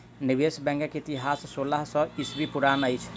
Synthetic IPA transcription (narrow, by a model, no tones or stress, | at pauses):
nibesbɛ̃ŋɡakit̪iɦasːolaɦsə̃isbipuɾanəjt͡ʃʰ